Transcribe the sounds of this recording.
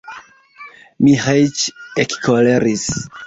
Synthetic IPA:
mihajt͡ʃekkʰoleɾis

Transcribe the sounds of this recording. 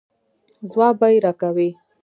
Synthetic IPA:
zwɑbajɾakawi

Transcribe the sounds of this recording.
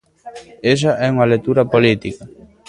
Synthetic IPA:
eʃ̬ɐʔɛuŋɐlet̪ːuɾɐpolit̪ikɐ

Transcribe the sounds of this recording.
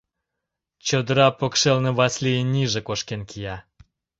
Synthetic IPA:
t͡ɕod̪əɾɑpokʃelnĕβɑslijənʲiʒĕkoʃkenkijɑ

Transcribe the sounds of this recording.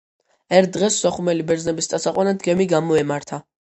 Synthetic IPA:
ɛɾt̪̚ʰd̪ʁɛsːɔχumɛlibɛɾd̪znɛbist̪ʼasaqʼwanad̪ɡɛmiɡamɔɛmaɾt̪ʰa

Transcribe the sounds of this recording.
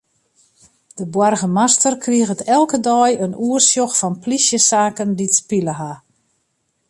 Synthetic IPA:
d̥əbwarɣəmastərkriəɣətɛlˠkədɔjənuərsjoxfɔnplisjəsaːkənditspiləɦa

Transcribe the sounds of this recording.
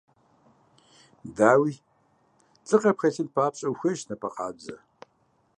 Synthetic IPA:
daːwiː | t͡sʼɨqɐpxɐɬɪnpʰaːpɕʼɐwxʷɐʒnɐpʰɐqɑ̰ːd͡ʒɐ̰

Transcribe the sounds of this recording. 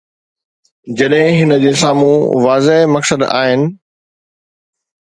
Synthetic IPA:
d͡ʑɐɗɦɪ̃ɦɪnə̆d͡ʑeːsaːmuʋaːzeɦmɐksəd̪a̰ːɦɪnɪ̆

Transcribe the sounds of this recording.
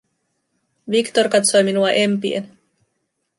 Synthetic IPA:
ʋikt̪o̞rkɑt̪so̞jminuɑʔe̞mpiḛn

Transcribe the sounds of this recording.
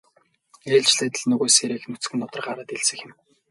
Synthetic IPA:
eːɮt͡ɕɮeːt̪ə̆ɮnɵɣoːseɾeːxnɵt͡s̆ɡɘ̆nːɔt̪ɞ̆rɢaɾaːt̪eɮsɘ̆xɪ̆m

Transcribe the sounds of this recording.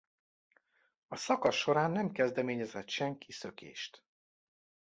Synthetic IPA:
ɒsɒkɒsʃo̞ɾaːnːɛmkɛzd̪ɛmeːɲɛzɛt̪ʃɛŋkisø̞kʰḛːʃt̪

